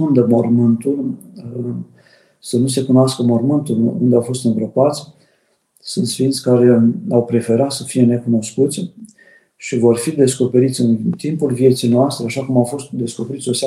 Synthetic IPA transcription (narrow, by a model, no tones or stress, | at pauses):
und̪əmo̞rmɨnt̪ul | sənus̬e̞kunoaskəmo̞rmɨnt̪ulṵnd̪eawfo̞st̪ɨnbɾəpat̪sʲ | sunt̪sfint̪sʲkaɾe̞awpɾe̞fe̞ɾat̪səfije̞ne̞kuno̞skut̪sʲ | ʃivo̞rfid̪e̞sko̞pe̞ɾit̪sʲɨnt̪impulvie̞t̪sijnoast̪ɾeaʃakumawfo̞st̪d̪e̞sko̞pe̞ɾit̪sʲo̞sa